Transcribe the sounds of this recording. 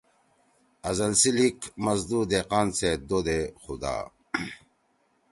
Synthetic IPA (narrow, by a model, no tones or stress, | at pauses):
ɐzɐlsilikmɐzd̪ud̪eqaːnsed̪od̪exud̪a̰ː